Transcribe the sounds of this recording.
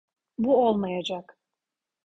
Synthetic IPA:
buolˠmajad͡ʒak

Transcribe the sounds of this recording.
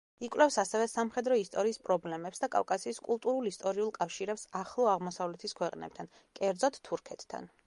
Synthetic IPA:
ikʼwlɛfsasɛvɛsamχɛd̪ɾɔist̪ʼɔɾiːspʼɾɔblɛmɛpsd̪akʼa̰vkʼasiːskʼulˠt̪ʼuɾulˠist̪ʼɔɾiulˠkʼafʃiɾɛpsaχlˠɔaʁmɔsavlɛt̪ʰiskʰwɛqʼnɛ̰p̚t̪ʰan | kʼɛɾd̪zɔt̪t̪ʰːuɾkʰɛt̪ʰt̪ʰːa̰n

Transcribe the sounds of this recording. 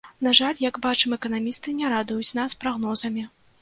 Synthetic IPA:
naʐalʲjɐɡbat͡ʂɨmɛkɐnamʲist̪ɨnʲɛɾad̪ujut͡sʲnaspɾaɣnɔzɐmʲi

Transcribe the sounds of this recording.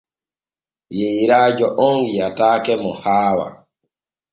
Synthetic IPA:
jeɾad͡ʒɔʔɔŋɡiataːkɛmɔhaːwa̰

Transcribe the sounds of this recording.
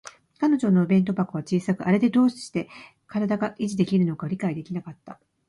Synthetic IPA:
kano̞ʑo̞no̞ɯbẽ̞nt̪̬o̞bakɯ̟βat͡ɕiːsakɯ̟ʔaɾe̞d̪e̞d̪o̞ːɕi̥ɕi̥t̪e̞ | kaɾad̪aɡaʔiʑid̪e̞kʲiɾɯ̟no̞kaɾʲikaid̪e̞kʲinakat̪ːa̰

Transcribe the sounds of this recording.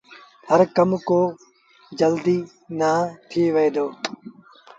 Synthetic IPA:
həɾkəmkoː | d͡ʒəld̪iː | naːt̪ʰiːʋeed̪oː

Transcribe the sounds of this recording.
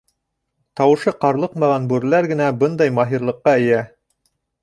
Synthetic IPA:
t̪ɑwɤ̆ʃɤqɑɾlˠɤqmɑʁɑnbʉɾlæɾɡɘ̆næbɤnd̪ɑjmɑɦiɾlˠɤ̆qːɑɘ̆jæ

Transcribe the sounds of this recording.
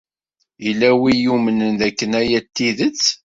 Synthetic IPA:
ilːæwijumənənðækːənæjæt̪ːiðət͡sː

